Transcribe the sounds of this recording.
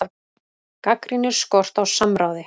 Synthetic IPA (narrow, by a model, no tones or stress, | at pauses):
kakɾinɪ̥skɔr̥t̪awsamɾaːwðɪ